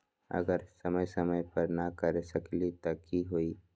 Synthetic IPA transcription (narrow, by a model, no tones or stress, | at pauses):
ɐ̰ɡəɾsɐməjsɐməjpɐɾnakɐɾesɐklit̪ɐkiɦoiː